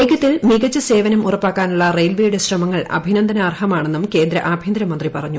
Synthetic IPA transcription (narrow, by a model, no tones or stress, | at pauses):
eɡɐt̪ːilmiɣɐt͡ɕːɨse̞ːʋɐnɐmurɐpːaːkːaːnuɭːɐrejlʋiːjɽɨɕrɐmɐŋːɐɭɐ̰bʱinɐnd̪ʱɐnɐːrhɐmaːɳenːumke̞ːnd̪ɾɐ̰ʔaːbʱind̪ɾɐmɐnd̪ripɐrɐɲːu